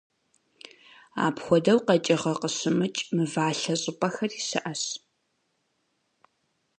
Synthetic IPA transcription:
a̰ːpxʷɔdɐwqɐt͡ʃʼɪʁɐqəɕɪmɨt͡ʃʼmɨvaːɬɐɕʼɪpʼɐxɐrisɨ̰ʔɐɕ

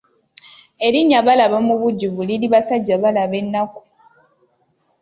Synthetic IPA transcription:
e̞ɾiɲːaβalaβamuβuɟːuβuliɾiβasaɟːaβalaβe̞nːaku̥

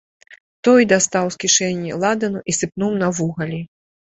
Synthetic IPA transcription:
t̪ɔjd̪ast̪awskʲiʂɛnʲːḭlˠad̪ɐnuʔisɨpnuwnɐvuɣɐlʲi

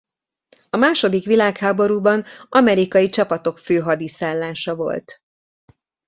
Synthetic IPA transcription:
ɒmaːʃo̞d̪ikʋilaːkhaːbo̞ɾuːbɒnɒmɛɾikɒjit͡ʃɒpɒt̪o̞kføːɦɒd̪isaːlːaːʃɒvo̞̰lt̪

